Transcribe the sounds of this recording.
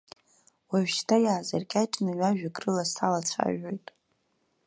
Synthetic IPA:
waʒᶣʃtʰajaːzarkʲʼat͡ʃʼnɨɥaʒᶣakʼrɨlastʰalat͡sʷʰa̰ʒojtʼ

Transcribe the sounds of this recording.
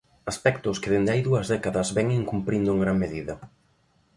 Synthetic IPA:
aspɛkt̪ʊskɪðend̪eajðuɐzðɛkaðɐzβɛŋiŋkumpɾind̪ʊŋɡɾaŋmeðiðɐ

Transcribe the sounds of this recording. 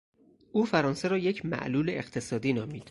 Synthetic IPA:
ʔuːfæɾɒːnseɾɒːjecʰmæ̰ʔluːleeqt̪ʰe̞sɒːd̪iːnɒːmiːd̪̥

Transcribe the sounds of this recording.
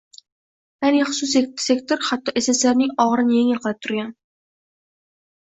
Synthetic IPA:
janiχʊ̥sʊs̬esekt̪ʰoɾhat̪ʰːɒʔesaslaɾnɪŋɒʁɾɪnɪjeŋɪlˠqʰɨlɪp̚t̪ʰʊɾɡʲan

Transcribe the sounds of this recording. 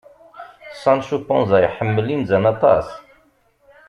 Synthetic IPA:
sɑnʃupɔ̃nzˤæjħəmːəlinzænɑt̪ˤɑ̰s

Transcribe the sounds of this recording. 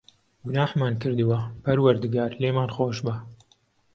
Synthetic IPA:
ɡʊnaːħmaːnkɨɾd̪ɨwɐpɐɾwɐɾd̪ɨɡaːɾleːmaːnxoːʃbɐ

